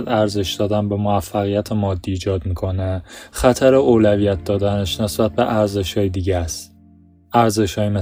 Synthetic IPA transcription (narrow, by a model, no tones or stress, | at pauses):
d̪æɾze̞ʃd̪ɒːd̪ænbe̞moæfːæɣijæt̪ʰemɒːd̪ːiːd͡ʒɒːd̪miːkʰo̞nexæt̪ʰæɾeoːlævijæt̪̚ʰd̪ɒːd̪æneʃne̞sbæt̪̚be̞ʔæɾzeʃhɒːjed̪iːɟæst̪ | æɾze̞ʃhɒːjime